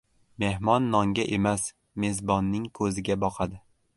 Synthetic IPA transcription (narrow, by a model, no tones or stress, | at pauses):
me̞hmɒnːɒŋɡʲaʔemas | me̞zbɒnːɪŋkʰɵzɪɡʲabɒqʰad̪ɪ